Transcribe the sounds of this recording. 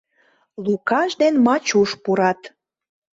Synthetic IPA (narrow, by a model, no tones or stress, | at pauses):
lukɑʃd̪enmɑt͡ɕuʃpuɾɑt̪